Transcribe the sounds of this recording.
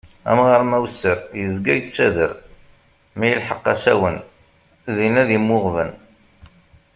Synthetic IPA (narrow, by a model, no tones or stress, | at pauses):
æ̰mʁəɾmæwsːəɾjəzɡæjət͡sːæðəɾ | mæjəlħəqːæsæ̰wən | ðinæðimːʊʁvən